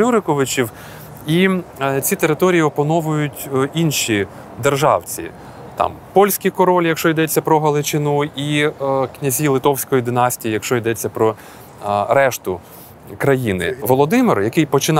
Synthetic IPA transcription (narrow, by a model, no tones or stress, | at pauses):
uɾɪkɔʋɪt͡ʃʲiw | it͡sʲit̪eɾɪt̪ɔɾʲijiɔpɐnɔʋʊjʊtʲinʃi | d̪erʒɑwt͡sʲḭ | t̪ɑ̰m | pɔlʲsʲkijkɔɾɔlʲjɐkʃt͡ʃɔjd̪ɛt͡sʲːɐpɾɔɦɐlˠɪt͡ʃɪnuiknʲɐzʲilˠɪt̪ɔwsʲkɔjid̪ɪnɑsʲtʲijijɐkʃt͡ʃɔjd̪ɛt͡sʲːɐpɾɔ | ɾɛʃt̪ʊ | kɾɐjinɪ̰ʋɔlˠɔd̪ɪmɪrjɐkɪjpɔt͡ʃɪn